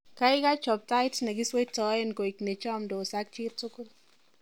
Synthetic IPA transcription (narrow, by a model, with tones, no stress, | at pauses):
ka˦ɪ˦ka˦t͡ʃɔ˨p̚ta˦ɪtnɛ˨kɪ˦swe˦tɔ˨˦ɪ˦nko˨ɪ˨kne˨t͡ʃɔ˦mdo˨sa˦k̚t͡ʃi˦ttʊ˦kʊ˦l